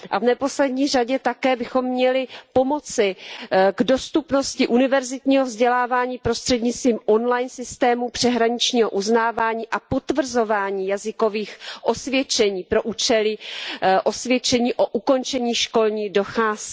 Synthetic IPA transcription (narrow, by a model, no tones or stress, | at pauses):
ʔavnɛpo̞slɛdɲiːr̝aɟɛt̪akɛːbɪxo̞mːɲɛlɪpo̞mo̞t͡sɪɡdo̞st̪upno̞scɪʔunɪvɛɾzɪt̪ɲiːɦovzɟɛlaːvaːɲiːpɾost̪r̥ɛdɲɪt͡st̪viːmo̞nlajnsɪst̪ɛːmupr̥ɛɦɾaɲɪt͡ʃɲiːɦo̰ʔuznaːvaːɲiːʔapo̞t̪vr̩zo̞vaːɲiːjazɪko̞viːxʔo̞svjɛt͡ʃɛɲiːpɾo̞ʔuːt͡ʃɛlɪʔo̞svjɛt͡ʃɛɲiːʔo̞ʔuko̞nt͡ʃɛɲiːʃko̞lɲiːdo̞xaːs